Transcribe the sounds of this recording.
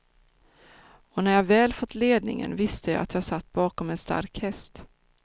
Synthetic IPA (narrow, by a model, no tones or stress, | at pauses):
ɔnæɾjɑːvɛːlfɔt̪ːleːd̪nɪ̰ŋə̰nvɪst̪əja̰ːat̪jɑːhasat̪ːbɑːkɔmɛnst̪a̰ɾkhɛst̪